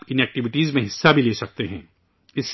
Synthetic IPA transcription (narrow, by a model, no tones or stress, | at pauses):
pɪnɛːk̚ʈɪʋɪʈiːzmẽɦɪsːabʱileːsɐk̚t̪eɦɛ̃ː | ɪs